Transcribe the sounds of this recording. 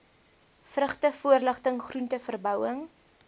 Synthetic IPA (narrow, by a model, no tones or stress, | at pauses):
frəχtəfuərləχtəŋχruntəfərbœwəŋ